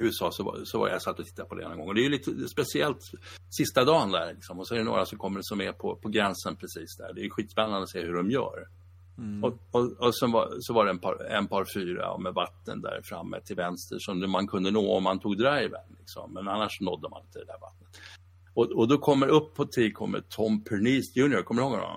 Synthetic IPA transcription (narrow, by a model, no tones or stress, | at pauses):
ʉːəsɑːsɔva̰sɔva̰ɾja̰sat̪ːɔt̪ʰɪ̥t̪ːapʰɔd̪ɛ̰nːɔŋɡɔŋːɔd̪ɛæjəliːt̪əspɛsɪɛlt̪sɪst̪ad̪ɑːnd̪æ̰ɾlɪksɔmɔsɔɛɾɛno̰ːɾasɔmkʰɔmːəɖɛsɔmːɛpʰɔpʰɔɡɾɛnsənpʰɾɛsiːsd̪æ̰ɖɛæjɵɧiːt̪spɛnːand̪əɔseːhɵɖɔmjœ̰ːɾ | ɔɔɔsɛnva̰sɔvaɖɛɛnpʰɑ̰ːɾɛ̰npʰɑːɾfyːɾa̰ɔ̰mɛvat̪ːə̰nd̪æ̰ːɾfɾa̰mːɛ̰t̪ʰɪlvɛnst̪ə̰ʂɔmmankʰɵnd̪ənoːɔ̰mːant̪ʰuːɡd̪ɾajɪvɛ̰d̪nlɪksɔ̰mːɛnanːaʂnɔd̪ːəmanɪnt̪ədɛd̪æɾva̰t̪nət̪ | ɔɔd̪ɔkʰɔmːəɾɵpʰːɔt̪ʰɪlkʰɔ̰mːə̰t̪ʰɔmːpʰɛɳiːsjʉ̟ːnɪʊɾkʰɔmːəɾəhoːɡ̪ɔ̰